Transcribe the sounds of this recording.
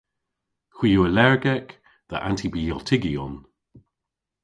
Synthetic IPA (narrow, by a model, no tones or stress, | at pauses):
hwijoəlɛɹɡɛk | ðə̰ʔa̰ntʰibiɛlˠtʰɪɡiɔn